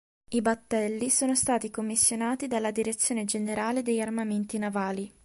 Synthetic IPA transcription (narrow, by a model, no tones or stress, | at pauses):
ibat̪ːɛlːisoːnost̪aːt̪ikomːisːjonaːt̪id̪alːad̪iɾet̪sːjoːned͡ʒeneɾaːled̪ejarmament̪inavaːli